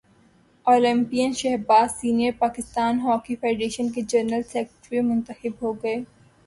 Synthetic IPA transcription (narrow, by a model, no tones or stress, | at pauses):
oːlɪ̃mpijənʃɛɦɾbaːzsiːnijəɾpaːkɪst̪aːnɦɔːkifaːɖɾeːʃənked͡ʒɐɾnəlsɛːkʈɾimʊ̃nt̪əxɪbɦoːɡɐeː